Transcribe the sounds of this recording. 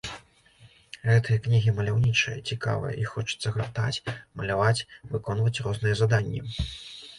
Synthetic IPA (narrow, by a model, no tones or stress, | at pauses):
ɣɛt̪ɨjɐknʲiɣʲimɐlʲawnʲit͡ʂɨjɐ̰t͡sʲika̰vɨ̰jɐ̰ixɔt͡ʂɨ̥t̪sːɐɣat̪at͡sʲmɐlʲavat͡sʲvɨkɔnvɐt͡sʲrɔznɨjɛzad̪anʲːɛ